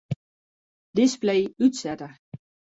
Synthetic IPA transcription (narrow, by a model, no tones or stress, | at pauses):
d̥ɪsblejytsɛtə